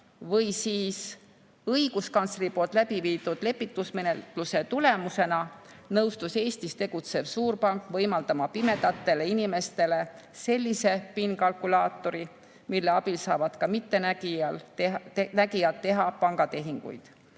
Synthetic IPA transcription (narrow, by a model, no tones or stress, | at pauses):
vɤjsiːs | ɤjɡ̥uskɑnt̪sripoːlt̪ːˑlæbiviːd̪̥ud̪̥le̞pːˑit̪ˑlusme̞net̪luse̞t̪ule̞muse̞nɑ | nɤwst̪use̞ːst̪ist̪e̞ɡ̥ut̪se̞v̥suːɾpɑŋkːˑvɤjmɑld̪ɑmɑpime̞t̪ɑt̪ːˑe̞le̞inime̞st̪e̞le̞se̞lʲːise̞pinkɑlkulɑːt̪ːˑo̞ɾi | milːe̞ɑb̥ilsɑːvɑd̪̥kɑmit̪ːe̞næɡiɑl | næɡijɑt̪ːe̞ɦɑpɑŋɡɑt̪e̞ɦiŋɡ̥ṵjd̪̥